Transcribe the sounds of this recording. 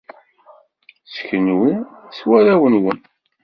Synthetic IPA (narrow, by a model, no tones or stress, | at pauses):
sə̥çənwiswæɾæwənwən